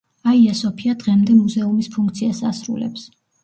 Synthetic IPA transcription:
aiɛsɔpʰiad̪̥ʁɛmd̪ɛmuzɛumispʰuŋk̚ʰt̪sʰiasa̰sɾṵlɛ̰ps

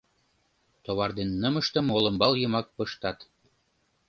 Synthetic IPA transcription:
t̪oβɑrd̪enːɤ̆mɤ̆ʃt̪ɤ̆molɤ̆mbɑlˠjɤ̆mɑk̚pɤ̆ʃt̪ɑt̪

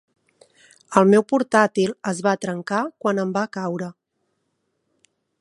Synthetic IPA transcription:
əlˠmewpuɾt̪at̪ilˠəzβat̪ɾəŋkakwanəmbakawɾə

